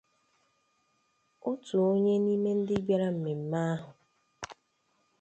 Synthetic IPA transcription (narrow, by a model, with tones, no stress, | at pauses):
o˦tu˨o˦ɲe˦ni˦me˦n̩˦dɪ˦ɡ͡ba˦ɾa˦m̩˨me˨m̩˦ma˦a˦ɦʊ˨